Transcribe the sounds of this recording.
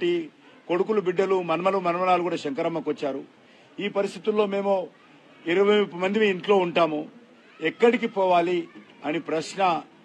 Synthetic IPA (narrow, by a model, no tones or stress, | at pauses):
ʈi | ko̞ɽukulubiɖːɐlumɐnɐmɐlumɐnɐmɐlaːlukuːɽaːʃɐŋkɐɾɐmːɐkʋɐt͡ʃːaːɾu | iːpɐɾist̪ʰit̪ulːo̞ːme̞ːmu | iɾɐʋɐmɐnd̪imiːɳʈlo̞ːuɳʈaːmu | ɛkːɐɽikipɔːʋaːli | ɐnipɾɐʃnɐ